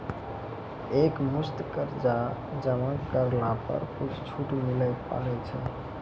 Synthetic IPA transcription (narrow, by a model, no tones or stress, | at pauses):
ekmust̪kəɾd͡ʒa | d͡ʒəmãkəɾlapə̰ɾkut͡ʃʰt͡ʃʰuʈmiləpa̰lɛt͡ʃʰɛ